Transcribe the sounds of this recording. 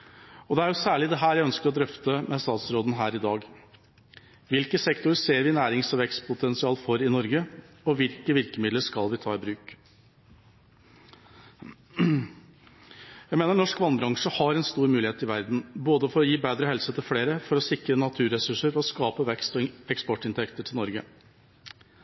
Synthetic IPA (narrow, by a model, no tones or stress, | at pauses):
ɔd̪ɛæɾjʊsæːɭɪd̪ɛɦæːɾjæɪœnskəɾɔd̪ɾœft̪əmɛst̪ɑːt̪sɾoːd̪n̩ɦæːɾɪd̪ɑːɡ | ʋɪlkəsɛkt̪ʊɾseːɾʋɪnæːɾɪŋsɔʋɛkst̪pʰʊt̪ʰɛnsɪɑːlfɔɾɪnɔɾɡə | ɔʋɪlkəʋɪɾkəmɪd̪ləʂkɑlʋɪt̪ʰɑːɪbɾʉːk | jæɪmeːnəɳɔʂkʋɑnbɾɑŋʂəhɑɾɛnst̪uːɾmʉːlɪheːt̪ɪʋæɾd̪n̩boːd̪əfɔɾɔjiːbeːd̪ɾəɦɛlsət̪ʰɪlfleːɾəfɔɾɔsɪkɾənɑt̪ʰʉːɾɛsʉʂəɾfɔɾɔskɑːpəʋɛkst̪ɔɛkspɔʈːɪnt̪ʰɛkt̪əʈʰɪlnɔɾɡə